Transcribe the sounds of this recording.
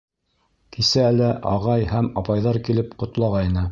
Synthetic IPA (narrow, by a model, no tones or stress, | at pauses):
kʰisæːlæʔɑʁɑjhæmɑpɑjðɑɾkilɘpqŏt̪lˠɑʁɑjnɤ